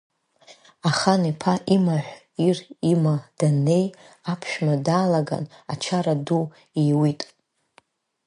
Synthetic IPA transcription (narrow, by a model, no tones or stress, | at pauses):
aχanipʰaʔimaħʷ | irimad̥ane̞j | apʰʃᶣmadaːlaɡa̰na̰t͡ʃʰaɾadu | iwitʼ